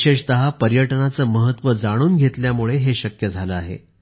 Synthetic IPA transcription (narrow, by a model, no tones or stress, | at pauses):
eʂt̪əɦapəɾjəʈnat͡səːməɦət̪ʋəd͡zaɽ̃uːnɡʱet̪ljamuɭeɦeɕəkjəd͡zʱaləaɦḛ